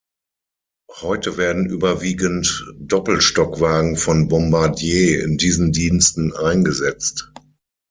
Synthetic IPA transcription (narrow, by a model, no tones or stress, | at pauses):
hɔʏtəveːɐdn̩ʔyːbɐviːɡəntd̥ɔpl̩ʃtɔkv̥aːɡŋ̩fɔnbɔmbaɐdjeːɪ̰ndiːzn̩diːnstn̩ʔaɪnɡəzɛt͡st